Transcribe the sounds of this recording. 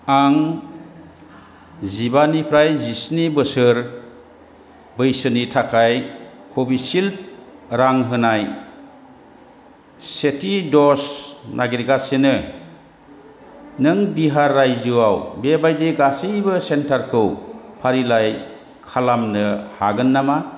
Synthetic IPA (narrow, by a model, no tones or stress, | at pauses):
aŋ | zibanipʰɾajzisnibɯsɯɾ | bɯjsɯnitʰakʰaj | kʰobisilp̚ɾaŋɦɯnaj | setʰidɔsnʔaɡiɾɡasenɯ | nɯŋbiɦaɾːajzɯwawbebajdeɡasɯjbɯsentaɾkʰɯwpʰaɾilaj | kʰalamnɯhaɡɯnːama